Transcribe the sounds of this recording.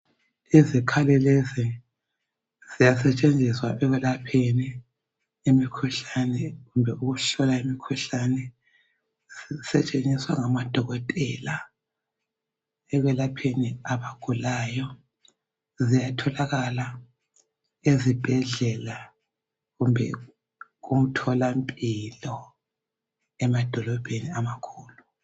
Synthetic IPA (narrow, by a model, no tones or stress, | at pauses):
izikʰalɛlezi | zijas̬ɛt͡ʃʼend͡zʱiswaʔɛɣwɛlapʰeni | imikʰuɬanɛɣumbʱɛʔuɣuɬɔlaimikʰuɬanɛ | zisɛt͡ʃʼend͡zʱiswaŋamad̥ʱɔɣɔtʼɛla | ɛɣwɛlapʰeniaβaɡ̥ʱulajɔ | zijatʰɔlaɣala | ezib̥ʱɛɮɛla | ɣumbʱɛ̰ | ɣum̩tʰɔlampʼilɔ | ɛmad̥ʱɔlɔb̥ʱeniamakʰuːlu